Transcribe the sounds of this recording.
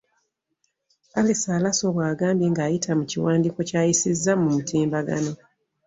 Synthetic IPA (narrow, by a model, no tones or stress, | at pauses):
alisaːlaso̞βwaːɡaːmbje̞ːŋɡaːjitʰamuciwaːndiko̞caːjisizːamumutiːmbaɡa̰no̞